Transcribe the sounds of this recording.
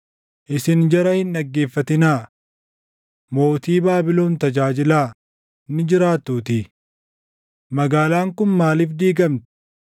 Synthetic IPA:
ʔɪsɪnd͡ʒɐɾɐhɪndɐɡːe̞ːfːɐt̪ɪnaː | mo̞ːt̪iːbaːbɪloːnt̪ɐd͡ʒaːd͡ʒɪlaː | nːɪd͡ʒɪɾaːt̪ːuːt̪ɪ | mɐɡaːlaːŋkʊnmaːlɪfd̪iːɡɐmt̪ɪ̥

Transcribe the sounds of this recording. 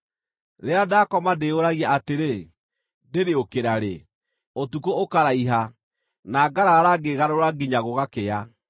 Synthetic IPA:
ɾeadakɔmadeoɾaɣiaʔateɾe | deɾeokeɾaɾe | otukookaɾaiɦa | naːɡaɾaɾaɡeɣaɾoɾaɡiɲaɣoɣakea

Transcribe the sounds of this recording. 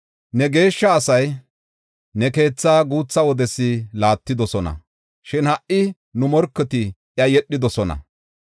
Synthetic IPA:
nɛɡe̞ːʃːɐːsɐj | nɛke̞ːt͡sːaːɡuːt͡sːɐwɔd̪ɛsːɪlaːt̪ːɪd̪ɔsɔnɐ̰ | ʃɪnhɐʔʔːɪ | nʊmɔɾkːɛt̪ɪ | jɐjɛɗːɪd̪ɔsɔnɐ̰

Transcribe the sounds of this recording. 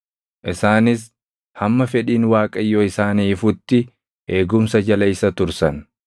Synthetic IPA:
ʔɪsaːnɪs | hɐmːɐfɛᶑiːnwaːkʼɐjːoːɪsaːniːfʊt̪ːɪ | ʔe̞ːɡʊmsɐd͡ʒɐlɐjsɐt̪ʊɾsɐn

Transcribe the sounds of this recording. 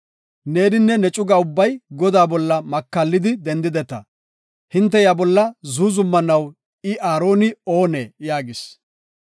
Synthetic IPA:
ne̞ːnɪnːɛnɛt͡ʃʼʊɡaʊbːɐjɡɔd̪aːbɔlːɐmɐkːɐlːɪd̪ɪd̪ɛnd̪ɪd̪ɛt̪ːɐ̰ | hɪnt̪̬ːɛjabɔlːɐzuːzʊmːɐnɐw | ɪʔaːɾo̞ːnɪoːnḛːjaːɡɪs

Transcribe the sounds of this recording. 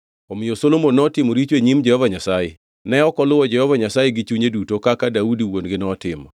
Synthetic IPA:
ɔmɪjosolomonːɔtɪmoɾit͡ʃeɲimd͡ʒɛhɔvaɲasajḛ | nɛɔkɔlʊwɔd͡ʒɛhɔvaɲasajeɡɪt͡ʃuɲedutokakadaudiwonɡɪnɔtɪ̰mɔ̰

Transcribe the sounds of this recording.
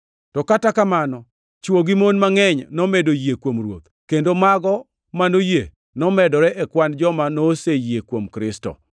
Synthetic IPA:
tɔkatakamanɔ | t͡ʃwoɡimonmaŋɛɲnɔmedojiekwomrwo̰t̪ | kendomaɡɔ | manoje | nɔmɛdɔɾɛʔɛkwand͡ʒɔmanoːsejekwomkɾɪstɔ̰

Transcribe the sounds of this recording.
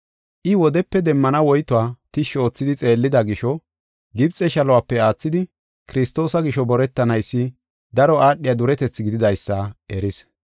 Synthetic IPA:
ʔɪwɔd̪ɛpːɛd̪ɛmːɐnɐwɔjt̪ʊwaːt̪ɪʃo̞ːt͡sːɪd̪ɪt͡sʼe̞ːlːɪd̪ɐɡɪʃɔ | ɡɪbt͡sʼɛʃɐlɔwapːɛaːt͡sːɪd̪ɪ | kɪɾɪst̪o̞ːsɐɡɪʃɔbɔɾɛt̪ːɐnɐjsːɪ | d̪ɐɾɔaːɗːɪjad̪ʊɾɛt̪ɛt͡sːɡɪd̪ɪd̪ɐjsːaʔɛɾɪs

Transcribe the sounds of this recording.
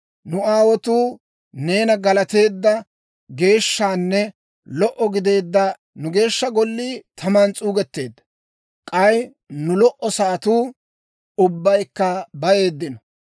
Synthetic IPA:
nʊaːwɔt̪uː | ne̞ːnɐɡɐlɐt̪e̞ːd̪ːɐ | ɡe̞ːʃːaːnːɛ | lɔʔɔɡɪd̪e̞ːd̪ːɐ | nʊɡe̞ːʃːɐɡɔlːiːt̪ʰɐmaːnt͡sʼuːɡɛt̪ːe̞ːd̪ːɐ̥ | kʼɐj | nʊlɔʔɔsaːt̪uː | ʊbːɐjkːɐbɐje̞ːd̪ːɪnɔ

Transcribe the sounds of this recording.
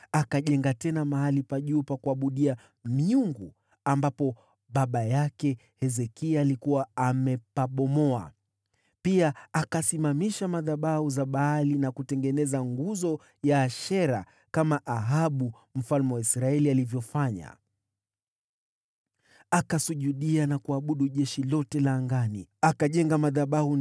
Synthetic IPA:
akaʄɛŋɡatɛnamaɦalipaʄuːpakuaɓuɗia | miuŋɡu | ambapɔ | ɓaɓajakɛ | hɛzɛkialikuwaamɛpaɓɔmɔa̰ | piaakasimamiʃamaðaɓauzaɓaːlinakutɛŋɡɛnɛzaŋɡuzɔ | jaːʃɛɾa | kamaʔaɦaɓu | m̩falmɛwaisɾaɛlialivjɔfaɲa̰ | akasuʄuɗianakuaɓuɗuʄɛʃilɔtɛlaːŋɡaniakaʄɛŋɡamaðaɓahu

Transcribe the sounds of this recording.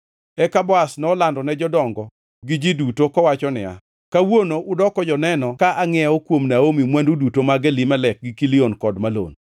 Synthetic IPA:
ɛkabɔasnɔlandɔnɛd͡ʒɔdɔŋɡɔ | ɡɪd͡ʒidutokɔwat͡ʃɔnɪ̰a̰ | kawonoʔʊdɔkɔd͡ʒɔnɛnɔkaʔaŋɛɔkwomnaomimwɛndudutomaɡɛlimalɛk̚ɡɪkilɪonkɔdmalo̰n

